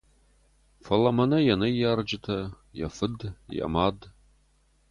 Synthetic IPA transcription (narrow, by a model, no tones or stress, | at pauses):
fɐlɐmɐnɐjɐnɐjard͡ʒɪtʰɐ | jɐ̰fɨdjɐ̰maːd